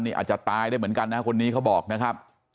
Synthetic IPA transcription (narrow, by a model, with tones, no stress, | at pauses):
nːiː˥˩a̰˨˩t̪̚t͡ɕa˨˩t̪aː˧jdaː˥˩jmɯ˩˦nka˧nːa˦˥kʰo˧nːiː˦˥kʰa˦˥wbɔː˨˩k̚na˦˥kʰa˦˥p̚